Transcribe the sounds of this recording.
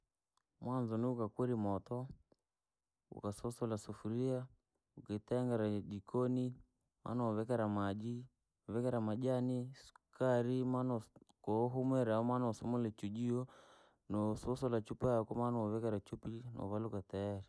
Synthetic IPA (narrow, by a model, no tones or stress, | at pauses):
mwanzɔniukakwɛɾimɔtɔ | ṵkasɔsɔlasufuɾia | ukɛtɛŋɡaɾad͡ʒikɔni | ma̰nɔɔβɛkaɾamad͡ʒi | ɔβɛkɛɾamaʄanisu̥kaɾimanɔkɔɦumwɛɾaɔmanɔɔsɔmɔlɛt͡ʃud͡ʒiɔ | nɔsɔsɔlat͡ʃupajakɔmanɔɔβɛkaɾat͡ʃupinɔ̰βalukataaɾi